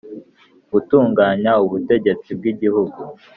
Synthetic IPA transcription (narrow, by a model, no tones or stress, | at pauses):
β̥utuːŋɡaːɲauβute̞ɟe̞t͡sib̚ɡiɟihuɡu